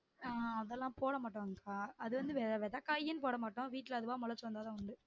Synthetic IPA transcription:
aːɐðɛlːãːpoːɽɐmaːʈːɐ̃ŋkaːɐðɯʋɐnd̪ɯʋeːʋeːɾt̪ãːkɐjːɪnɯpoːɽɐmaːʈːʊ̃ʋiːʈːɪlɐðɯʋãːmʊlɐt͡ʃːɯʋɐnd̪aːt̪ãːʊɳɖɯ

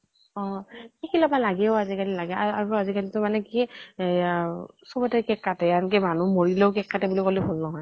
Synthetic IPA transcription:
ɔ̃xikilɔbalaɡɛʊazikalilaɡɛaaɹuazikalitʊmanɛki | sɔbɔtɛkɛkːatɛankɛmanumoɹilɛʊkɛkːatɛbulikolɛbʱolnɔɦɔj

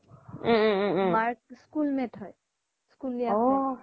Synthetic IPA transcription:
maɾkskulmẽʈʰʌj | skulːijao

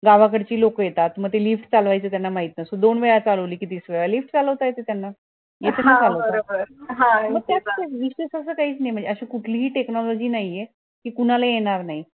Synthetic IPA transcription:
ɡaʋakəɽt͡ɕiːlokəjet̪at̪məɡ̚t̪elifʈt͡salʋajt͡səːt̪janːamaɦit̪nasod̪onʋeɭat͡saləʋliːkiːt̪isʋeɭalifʈt͡saləʋt̪ajet̪et̪janːa | jet̪ʰenat͡saləʋtəaɾobəɾɦãməɡ̚t̪jat͡st̪eʋiɕesəsəːkaɦiːt͡snajm̤əɳd͡zeəɕekuʈʰliːɦiːʈeknɔlɔd͡ʑiːnaɦije | kiːkuɽalajeɽ̃aɾnaɦi

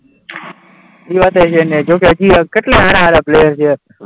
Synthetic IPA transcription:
d͡ʒiːʋaːt̪əjt͡ʃʰened͡ʒok̬ed͡ʒiːkeʈleɦaɾãaɾaplejəɾt͡ʃʰe

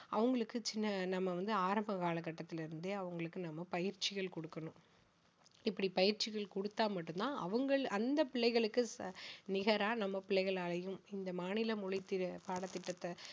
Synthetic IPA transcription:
ɐʋɐŋɡɐɭɯkːɯt͡ʃɪnːɐnɐmːɐʋɐnd̪ɯaːɾɐmbɐkaːɭɐk̬ːɐʈːɐt̪ːɪlɪɾɯnd̪ɯɐʋɐŋɡɐɭɯkːɯnɐmːɐpɐjɪɾt͡ʃɪɣɐɭkɔɽɯkːɐnʊ̃ | ɪpːɐɽipɐjɪɾt͡ʃɪɣɐɭkɔɽɯt̪ːaːmɐʈːɯnt̪ãːʔɐʋɐŋɡɐɭɐnd̪ɐpɪɭːɐɪɣɐɭɯkːɯsnɪɣɐɾaːnɐmːɐpɪɭːɐɪɣɐɭaːlɐjɯmɪnd̪ɐmaːnɪlɐmʊɻɪt̪ːɪpaːɽɐt̪ːɪʈːɐt̪ːɐ

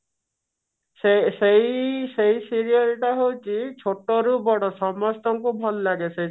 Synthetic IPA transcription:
sesejseisiɾiɔlʈaɦowt͡ʃʰit͡ʃʰoʈɔɾubɔɽɔsɔmɔst̪ʰɔŋkubʱɔllaɡese

